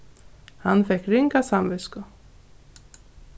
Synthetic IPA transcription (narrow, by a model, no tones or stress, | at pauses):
hanfɛhkriŋkasamvɪskʊ